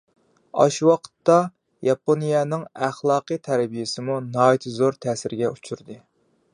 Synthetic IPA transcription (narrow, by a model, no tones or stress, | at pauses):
ɑ̰ʃwɑqʰə̥t̪ːɑ | jɑponijɛnɨŋæχlˠɑːqɨt̪ʰæɾbijɪsɪmunɑːit̪ʰɨzoɾt̪ʰæːsɪɾɡʲɛʔut͡ʃʰuɾd̪ɨ